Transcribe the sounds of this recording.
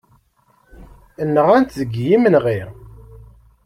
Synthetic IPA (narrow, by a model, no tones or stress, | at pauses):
ənːəʁænt̪ðəɡjimənʁiʁ